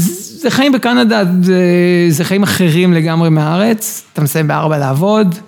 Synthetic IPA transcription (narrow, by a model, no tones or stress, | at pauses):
z | zeχajimbekanadazezeχajimaχeʁimle̞ɡamʁe̞meaaʁe̞t͡st̪amsajimbea̰ʁbalaaːvo̞d